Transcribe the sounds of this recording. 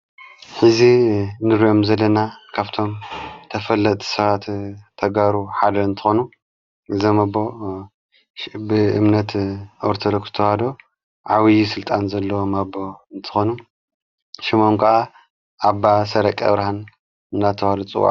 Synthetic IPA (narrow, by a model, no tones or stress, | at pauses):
ħɨzinɨɾijo̞mzɐlːɐnakʰaβt̪ʰo̞mt̪ʰɐfɐlːɐt̪ʼʰi̥sɐβat̪ʰɐɡaɾuħad̪ɐɨnt̪ʰɨ̥xonu | ʔɨzɐmɐbo̞ | bɨɨmnɐt̪ʔoɾt̪ʰɐd̪okz̥ɨ̥t̪ʰɐwad̪o̞ | ʕawijisɨlt̪ʼanzɐlːɐwomɐboɨnt̪ʰɨ̥xonu | ʃimomkʰɨʔa | ʔabːasɐɾɐkʼɐ̰βɾahan | ɨnːat̪ʰɐwad̪ot͡sʼɨwa̰ʕ